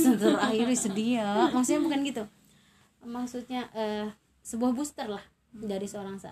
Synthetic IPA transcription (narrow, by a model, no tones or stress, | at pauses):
sət̪əɾaɦiɾisədiamaksuɲabukanɡit̪u | maksut̪̚ɲaʔə | səbuahbust̪ərlah | daɾisəoɾaŋsaʔa̰